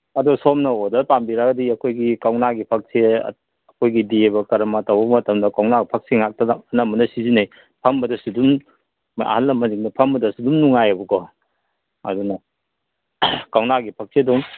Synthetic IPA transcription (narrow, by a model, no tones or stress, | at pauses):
ɐdusomnɐodɐlpambiɾaɡɐdiɐkʰojɡikawnaɡipʰɐk̚se | ɐkʰojɡidiebɐkɐɾɐmɐtawbɐmɐtɐmdɐkawnaɡpʰɐk̚seŋak̚tɐnɐmɐnɐsizinaj | pʰɐmbɐdɐsudum | a̰halːɐmɐniŋnɐpʰɐmbɐdɐsudumnuŋajɐbɐkɔ | ɐ̰dunɐ | kawnaɡipʰɐk̚seduŋ